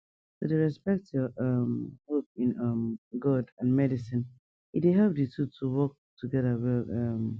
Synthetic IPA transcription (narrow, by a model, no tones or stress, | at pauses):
so̰deɹɛspɛk̚tjɔʌmhop̚ĩnʌmɡɔdãnmɛɾisĩn | it̚eɦɛlp̚ditutʰuwɔk̚tʰuɡɛðəwɛlʌm